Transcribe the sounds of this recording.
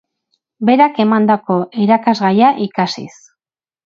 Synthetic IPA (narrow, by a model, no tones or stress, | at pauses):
be̞ɾake̞mand̪ako̞ʔiɾakazɣajaʔikasḭs